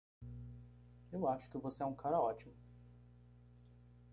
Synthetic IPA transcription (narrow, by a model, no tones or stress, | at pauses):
ewaʃʊ̥kɪvoseɛũkʰaɾɐɔt͡ʃimʊ